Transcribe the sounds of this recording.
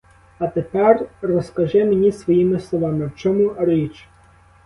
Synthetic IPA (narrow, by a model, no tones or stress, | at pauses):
ɐt̪epɛrrɔskɐʒɛmenʲisʋɔjimɪslˠɔʋɑmɪwt͡ʃɔmurit͡ʃ